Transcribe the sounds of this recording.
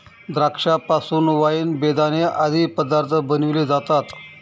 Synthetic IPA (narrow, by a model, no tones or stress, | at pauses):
d̪ɾakʂapasuːnʋajiːnbed̪ʱanead̪ʱiːpəd̪aɾt̪ʰəbənʋled͡zat̪at̪